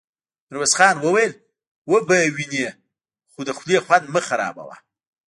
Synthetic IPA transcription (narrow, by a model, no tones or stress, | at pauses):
ɾwesχɑːnwəwajel | wobəwine | χod̪əxʷlexwand̪məxaɾɑ̰ːba̰wa̰